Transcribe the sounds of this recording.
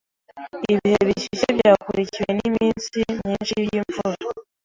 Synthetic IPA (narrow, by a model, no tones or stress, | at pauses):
iβiheβisiʃeβjaːkuɾiciwe̞nimiːnsimɲiːnʃibjiːɱfuɾo